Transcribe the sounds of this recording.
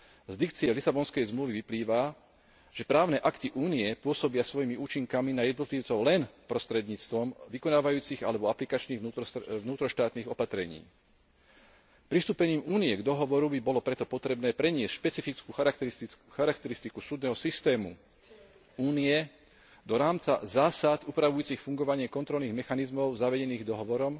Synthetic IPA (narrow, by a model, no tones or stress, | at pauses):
zd̪ik̚t͡siɛlisabɔnskɛjzmluːʋiʋipliːʋa | ʒ̥ɛpɾaːʊnɛʔakt̪iʔuːniɛpʊɔsɔbɪasʋɔjimiuːt͡ʃiŋkaminajɛd̪nɔt̪liːʊt͡sɔʊlɛnpɾɔst̪ɾɛd̪ɲiːt͡st̪ʋɔmʋikɔnaːʋajuːt͡siɣa̰lɛbɔaplikat͡ʃniːɣunuːt̪ɾɔʃt̪aːt̪niːɣɔpat̪ɾɛɲḭː | pɾist̪uːpɛɲiːmuːniɛɡd̪ɔɦɔʋɔɾubibɔlɔpɾɛt̪ɔpɔt̪ɾɛbnɛːpɾɛɲɪɛscʃpɛt͡sifit͡skuːxaɾaxaɾakt̪ɛɾist̪ikusuːd̪nɛːɦɔsist̪ɛːmṵ | uːniɛ | d̪ɔɾaːmt͡sa̰zaːsat̪uːpɾaʋujuːt͡sixfuŋɡɔʋaɲɪɛkɔnt̪ɾɔlniːɣmɛxanizmɔʊzaʋɛɟɛniːɣd̪ɔɦɔʋɔɾɔm